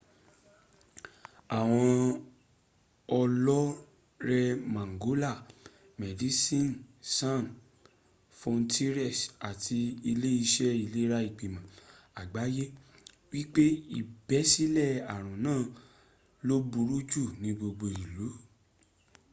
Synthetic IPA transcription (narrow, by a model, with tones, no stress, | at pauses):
a˨w̃ɔ̃˧ | ɔ˧lɔ˦ | ɾɛ˧mã˨ŋɡo˨˦la˦˨ | mɛ˨di˨˦sĩ˦˨nsã˦˨n | fɔ̃˧n̩˦tʰi˦ɾɛ˦˨sa˨tʰi˧i˧le˦i˧ʃɛ˦i˧˨le˦ɾa˦i˦˨k͡pi˨mã˨ | a˨ɡ͡ba˨˦je˦ | wi˦k͡pe˦i˦˨bɛ˨˦si˦lɛ˦˨a˨ɾ̃ũ˨nãː˦˨ | lo˦bu˧ɾu˦d͡ʒu˦˨nĩ˧ɡ͡bo˧ɡ͡bo˧˨ii˨lu˨˦